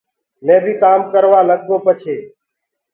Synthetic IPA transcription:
mẽːbʱiːkaːmkəɾʋaːləɠ̚ɡoːpət͡ʃʰeː

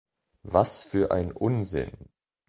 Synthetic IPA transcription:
vasfyːɐʔa̰ɪnʔʊnzɪ̰n

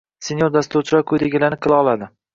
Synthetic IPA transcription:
senjoɾd̪ast̪uɾt͡ʃʰɪɾɒkʰɵjd̪eɡʲɪlanɪqʰɨlˠɑɒlˠad̪ɪ

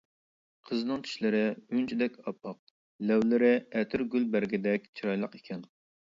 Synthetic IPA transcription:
qʰəznɨŋt̪ʰy̥ʃlɪɾɪynt͡ʃʰid̪ɛkʲɑpʰːɑq̚ | lɛwlɪɾɪɛt̪ʰyɾɡʲylbæɾɡʲɪd̪ɛk̚ʲt͡ʃʰiɾɑjlˠəqekʲʰɛn

